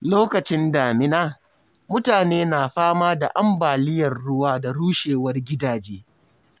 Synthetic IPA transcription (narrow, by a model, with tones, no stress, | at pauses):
loː˦kɐ˨t͡ʃɪ˦ndaː˨mɪ˦naː˦ | mʊ˦taː˨neː˦naː˨ɸaː˦maː˦da˨ʔa˦mbaː˨lɪ˦jɐ˨rɽʊ˦waː˦da˨ɽuː˦ʃeː˨wɐ˦rɡʲɪ˦daː˨d͡ʒeː˦